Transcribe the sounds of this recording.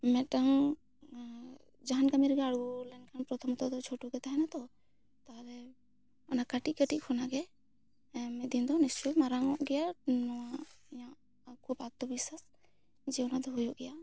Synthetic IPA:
mɛ̃ʈaŋ | d͡ʒaɦankəmiɾɡaɽɡɔlɛnkanpɾɔt̪ʰɔmt̪ɔd̪ɔt͡ʃʰoʈuɡɛt̪aɦɛnat̪ɔ | t̪alɛ | ɔnakaʈikəʈiʔkʰɔnaɡɛ | mɛd̪ind̪ɔnist͡ʃumaɾaŋɔʔɡɛjanɔwajã | kʰubat̪ːɔbisas | d͡ʒɛɔnad̪ɔɦujɔʔɡɛja

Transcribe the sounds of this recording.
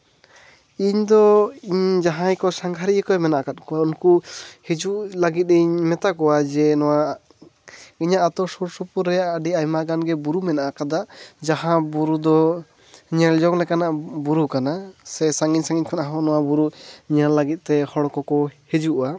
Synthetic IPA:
iɲd̪ɔiɲd͡ʒaɦãjkɔsaŋɡʱaɾikɔjmɛnaʔakat̪̚kɔwaunkuhed͡ʒuʔlaɡit̪̚ɾɛiɲmɛt̪akɔwad͡ʒɛnɔwa | iɲaʔat̪ɔsuɾsupuɾːɛjaʔəɖiajmaɡanɡɛbuɾumɛnaʔakad̪aʔd͡ʒaɦãbuɾud̪ɔ | ɲɛld͡ʒɔŋlɛkanaʔbuɾukanasɛsaŋiɲsaŋiɲkʰɔnaɦɔnɔwabuɾuɲallaɡit̪̚ˀt̪ɛhɔɽkɔkɔhed͡ʒuʔuwa

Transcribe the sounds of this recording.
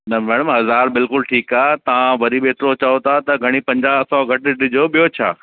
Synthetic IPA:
nɐmɛːɽ̃əmɦɐzaːɾbɪlkʊlʈʰiːkaːt̪ɐʋãʋɐɾiɓeːt̪ɾot͡ɕɐot̪ʰat̪ɐɡʱɐɽ̃ipɐ̃ɲd͡ʑaːsɔɡʱɐʈɪɗɪd͡ʑʱoɓijot͡ɕʰa̰ː

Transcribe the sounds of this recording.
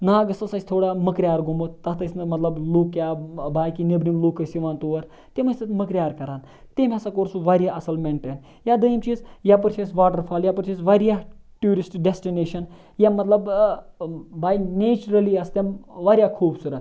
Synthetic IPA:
naːɡɐsɐsɐsʲt̪ʰoːɽaːmɐkɾʲjaːɾɡumot̪t̪ɐt̪ɐsnɐmɐt̪lɐbluːkːjaːbaːjkinebɾimlukːɐsiʋaːnt̪uːʋɐɾ | t̪emɐsʲt̪ɐt̪mɐkɾʲjaːɾkɐɾaːn | t̪emʲɐsɐkoːɾsuʋaːɾʲjaʔɐsɐlmeɳʈen | jaːd̪ɐjimt͡ʃiːzjaːpɐɾt͡ʃʰesʋaːʈɐɾfʰaːljaːpɐɾt͡ʃʰisʋaːɾijaːʈjuːɾisʈɖesʈineːʃɐn | jaːmɐt̪lɐb | baːjneːt͡ʃɾɐliɐst̪emʋaːɾjaːkʰuːbsuɾɐt̪

